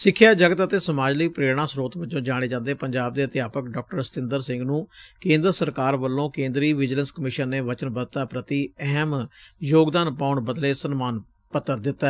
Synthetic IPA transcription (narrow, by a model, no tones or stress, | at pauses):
sɪkʰːjaːd͡ʒəɡət̪ət̪eːsəmaːd͡ʒləiːpɾeːɽɳ̃ãːsɾoːt̪ʋɪt͡ʃõːd͡ʒaːɽ̃eːd͡ʒãːnd̪eːpəɲd͡ʒaːb̚d̪eːət̪ɪjaːpəkɖɔːk̚ʈəɾst̪ɪ̃nd̪əɾsɪ̃ŋɡnũːkẽːnd̪ɾəsəɾkaːɾʋəlːõːkẽːnd̪ɾiːʋɪd͡ʒlənskəmɪʃənːeːʋət͡ʃənbət̪aːpɾət̪iːɛɦmjoːɡd̪aːnpaːʊɳbəd̪leːsənmaːn | pət̪ːəɾd̪ɪt̪ːaː